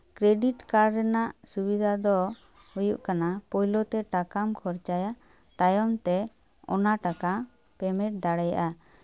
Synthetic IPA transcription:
kɾeɖiʈkaɾɾɛnaʔsubid̪ʱad̪ɔ | hujuʔkanapɔjlɔt̪ɛʈakamkʰɔɾt͡ʃaja | t̪ajɔmt̪ɛ | ɔ̰naʈaka | pɛmɛʈ̚d̪aɽɛja̰ʔa

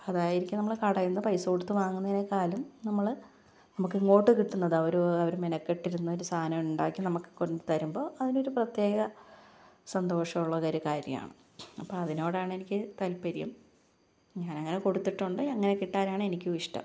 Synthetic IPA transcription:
ɐðaːjiɾikʲːunɐmːɐɭkɐɽɐjunːɐpɐjsoɽut̪ːɨʋaːŋːunːɐnekːaːlumnɐmːɐɭ | nɐmukːɨŋːo̞ːʈːɨkiʈːunːɐðɐʋɐɾuɐʋɐɾumenɐkːeʈːiɾunːuoɾusʰaːnɐmuɳɖa̰ːkʲːinɐmukːɨ̥kondɨt̪ɐɾumbo̞ːʔɐðino̞ɾuprɐt̪je̞ːɣɐ | sɐnd̪o̞ːʂɐmuɭːɐkɐɾukaːɾjɐ̰ma̰ːɳɨ | ɐpːoːɭɐðino̞ːɽaːɳɨe̞nikʲːɨt̪ɐlpɐɾijɐ̰m | ɲaːnɐŋːɐneko̞ɽut̪ːiʈːuɳɖɨɐŋːɐnekiʈːaːnaːɳɨenikʲːuʋiʂʈɐ̰m

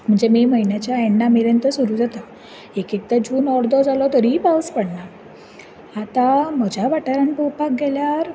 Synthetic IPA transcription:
m̤əɳd͡zemiməɦinjat͡ɕjaeɳɖamiɾənt̪əsuɾuːd͡zat̪a | ekikt̪ad͡ʑuːnɔɾd̪ɔd͡zalɔt̪əɾiːpawspəɽna | at̪ãm̤əd͡ʑaʋaʈəɾaɳpowpak̚ɡɛljaɾ

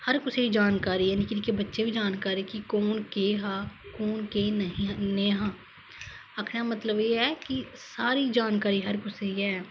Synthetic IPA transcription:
hɐɾkʊseid͡ʒaːnkaːɾijaːnikɪnkebətːʃebʱid͡ʒaːnkaːɾikikoːnkeːɦaːkoːnkeːɦĩneːɦãː | ɐkʰnamət̪ləbjeːɦɛːkisaːɾid͡ʒaːnkaːɾiɦɐɾkʊseɦiɦɛː

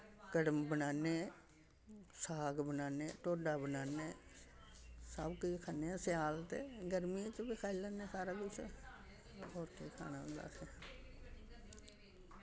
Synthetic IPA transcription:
kəɽəmbənaːneː | saːɡbənaːneːʈoːɖaːbənaːneː | səbkəikʰaːneːãsɪjaːlt̪ḛːɡəɾmiẽt͡ʃbikʰaːiləːnːẽːsaːɾaːkɪt͡ʃʰ | ɦoːɾkeːkʰa̰ːnaːɦʊ̃nd̪a̰ːse

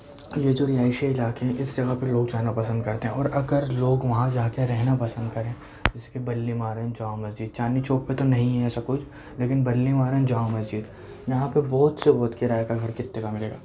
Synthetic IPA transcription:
jed͡ʒoːɾɪjaːɪʃeɪlaːkeɦɛ̃ʔɪsd͡ʒɐɡapɐloːɡ̚t͡ʃaːnapɐsə̃nd̪̚kɐɾt̪eɦɛ̃ʔɔːɾʔɐɡəɾloːɡʋɐɦãd͡ʒaːkeɾɛɦnapɐsə̃nd̪kɐɾẽ | d͡ʒɪskebɐlːimaːɾə̃d͡ʒãːmɐzd͡ʒɪd̪̚t͡ʃaːnit͡ʃoːppet̪onɐɦĩɦɛɛːsakʊt͡ʃʰ | leːkɪnbɐlːimaːɾɛ̃d͡ʒaːõmɐzd͡ʒɪd̪ | jɐɦãpebɔːt̪sebɔːt̪keɾaːjkaɡʱɐɾkɪt̪ːekamɪleːɡa̰ː

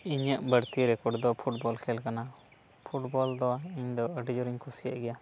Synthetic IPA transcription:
iɲəʔbəɽt̪iɾɛkɔɽd̪ɔpʰuʈbɔlkʰɛlkana | pʰuʈbɔld̪ɔaiɲd̪ɔəɖid͡ʒɔɾiɲkʰusijaʔɡɛja

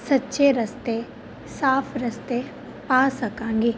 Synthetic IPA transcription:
sɐtːʃeɾɐst̪e | saːpʰɾɐst̪e | paːsɐkãːŋɡeː

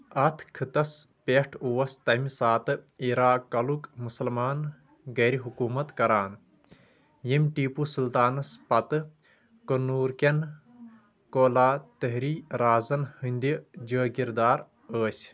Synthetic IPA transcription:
ɐt̪ʰkʰɨt̪ɐspʲeʈʰuʋɐst̪ɐmisaːt̪ɨiɾaːkɐlukmusɐlmaːn | ɡɐːɾiɦukuːmɐt̪kɐɾaːn | jemʲʈiːpusult̪aːnɐspɐt̪ɨ | kənuːɾkʲen | koːlaːt̪əɦɾiːɾaːzɐnhɨnd̪id͡ʒəːkiɾd̪aːɾ | əːsʲ

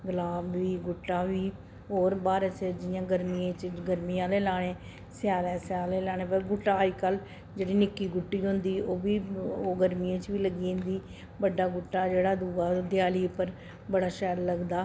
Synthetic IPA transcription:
ɡəlaːbʋiːɡʊʈːaːʋiː | ɦoːɾbaːɾəsəd͡ʒɪjãːɡəɾmiːãːt͡ʃɡəɾmiːãːleːlaːɽ̃eː | sɪjaːlɛ̃ːsɪaːleːlaːɽ̃eːpəɡʊʈːaːikəl | d͡ʒeːɽiːnɪkːiːɡʊʈːiːɦʊ̃nd̪iːʔoːʋiːoːɡəɾmĩːãːt͡ʃʋiːləɡiːɦʊ̃nd̪iː | bəɖaːɡʊʈːaːd͡ʒeːɽaːd̪uːɡaːd̪ɪjaːliːpəɾ | bəɽaːʃɛːɾləɡd̪aː

